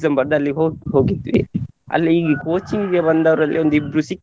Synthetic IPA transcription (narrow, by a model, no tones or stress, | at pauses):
sɐmbɐɾd̪ɐlːiɦoːɦo̞ːɡit̪ːʋḭɐ̰lːiːkoːt͡ʃiŋiɡebɐnd̪ɐʋɐɾɐlːʔio̞nd̪uibɾusik